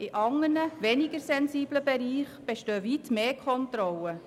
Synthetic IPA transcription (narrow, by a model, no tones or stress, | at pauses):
ɪʔɑŋːənəʋɛnɪɡəɾsɛnsiːbləbeɾiːχb̥eʃtøːvitmeːkʰχɔntɾɔlə